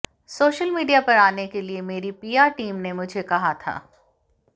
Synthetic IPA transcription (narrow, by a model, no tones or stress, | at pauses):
soːʃəlmiːɖijapɐɾaːnekeliemeːɾipiːaːʈiːmnemʊd͡ʒʱekɐɦat̪ʰa̰ː